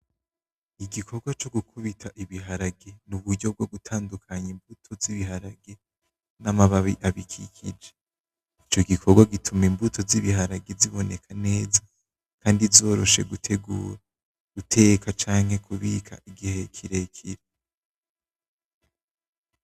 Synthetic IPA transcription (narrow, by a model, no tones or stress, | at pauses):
iɡikʰo̞ɾɡwat͡ʃo̞ɡukʰuβitʰaʔiβiɦaɾaɡe̞nuβuɾɟo̞b̚ɡo̞ɡutʰaːndukʰaɲimbutʰo̞ziβiɦaɾaɡe̞ | namaβaβiʔaβikʰḭkʰḭd͡ʒe | it͡ʃo̞ɡikʰo̞ɡwaɡitʰumimbutʰo̞ziβiɦaɾaɡeziβo̞ne̞kʰane̞ːza | kʰaːndizo̞ːɾo̞ʃe̞̰ɡutʰe̞ɡṵːɾa | ɡ̥utʰe̞kat͡ʃaːŋhe̞kʰuβikʰa̰ʔiɡihe̞kʰiɾe̞kʰiɾe